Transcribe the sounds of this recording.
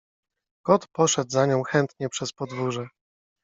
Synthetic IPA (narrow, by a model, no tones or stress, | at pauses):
kɔt̪pɔʂɛd̪zaɲɔ̃w̃xɛnt̪ɲɛpʂɛspɔd̪vuʐɛ